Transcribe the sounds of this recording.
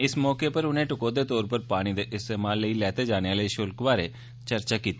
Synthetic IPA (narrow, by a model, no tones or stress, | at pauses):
ɪsmɔːkeːpəɾʊnẽːʈʊkoːd̪eːt̪ɔːɾpəɾpaːɽ̃iːd̪eːʔɪst̪eːmaːlːəiːlɛːt̪eːd͡ʒaːɽ̃eaːləiːʃʊlkʋaːɾeː | t͡ʃəɾt͡ʃaːkiːt̪ː